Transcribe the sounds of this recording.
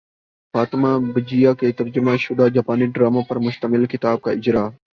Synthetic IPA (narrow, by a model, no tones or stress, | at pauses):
faːt̪ɪmabɪd͡ʒijaːkeːt̪ɐɾd͡ʒʊmaʃʊd̪aːd͡ʒaːpaːniɖɾaːmapɐɾmʊʃt̪əmɪlkɪt̪aːb̚kaːɪd͡ʒɾaː